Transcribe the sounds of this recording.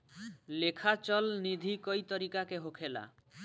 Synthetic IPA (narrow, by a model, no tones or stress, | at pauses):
lekʰat͡ʃɔlnid̪ʱikojt̪ɔɾikakeɦokʰela̰